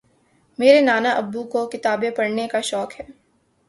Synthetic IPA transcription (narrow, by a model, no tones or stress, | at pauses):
meːɾenaːnaʔɐbːukokɪt̪aːbepɐɽnekaʃɔːkɦɛː